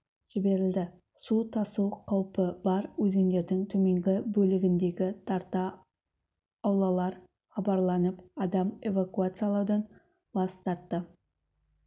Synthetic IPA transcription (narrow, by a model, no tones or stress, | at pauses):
ʒ̥ɪbe̞ɾɪld̪ɪ | sut̪ʰɑsuwqʰɑwpəb̥ɑɾwɵze̞nd̪e̞ɾd̪ɪŋt̪ʰɵme̞ŋɡʲɪbɵlɪɡʲɪnd̪e̞ɡʲɪt̪ʰɑɾt̪ɑ | wlˠɑlˠɑɾ | χɑbɑɾlˠɑnəpɑd̪ɑme̞vakuat̪sɨjalˠɑwd̪ɑn | bɑst̪ɑɾt̪ːə